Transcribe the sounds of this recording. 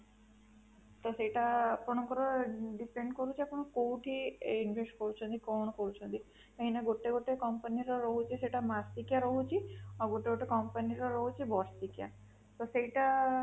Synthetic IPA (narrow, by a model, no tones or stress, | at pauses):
t̪ɔseʈapɔɽ̃ɔkɔɾɔɖipeɳɖkɔɾut͡ʃʰiapɔɳ̃ɔkoʈʰiinʋesʈkɔɾut͡ʃʰɔnt̪ikɔɽ̃ɔkɔɾut͡ʃʰɔnt̪i | k̪eɦinaɡoʈeɡoʈekɔmpəniɾɔɾɔɦut͡ʃʰiseʈamast̪ikjaɾɔɦut͡ʃʰiɔɡoʈeɡoʈekɔmpaniɾɔɾɔɦut͡ʃʰibɔɾst̪ikja̰ | t̪ɔseiʈa